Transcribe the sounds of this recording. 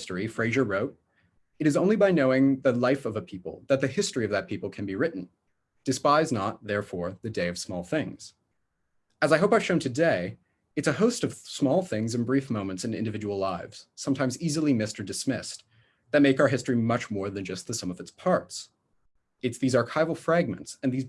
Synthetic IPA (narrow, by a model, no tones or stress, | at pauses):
stɹ̥ifɹeɪʒə˞ɹoʊɾ̚ | ɨɾɨzõʊ̃nlibaɪnoʊɪ̃ŋðəlaɪfʌvəpʰipl̩ˠðɨt̪̚ðɨhɪstɹ̥iʌvðɨt̚pʰipl̩ˠkʰɨ̃nbiɹɪʔn̩ | d̥ɨspaɪznət̪̚ðɛɹfɔɹðɨdeɪʌv̥smɔlˠθɪ̃ŋz̥ | ɨzaɪɦoʊpaɪ̥ʃõʊ̃ntʰɨdeɪ | ɨtsɨhoʊstʌv̥smɔlˠθɪ̃ŋzɨ̃nbɹifmõʊ̃mɨ̃ntsɨ̃nɪ̰̃ndɨvɪd͡ʒəwl̩ˠlaɪvz̥sʌ̃mtʰãɪ̃mzizl̩ˠimɪstə˞dɨsmɪ̰s | ðɨt̚meɪkaə˞ɦɪstɹ̥imʌt͡ʃmɔɹðɨ̃nd͡ʒʌst̪̚ðɨsʌ̃mʌvɨtspʰɑɹts | ɨtsðizɑɹkʰaɪvl̩ˠfɹæɡ̚mɨ̰̃ntsɨ̃nðiz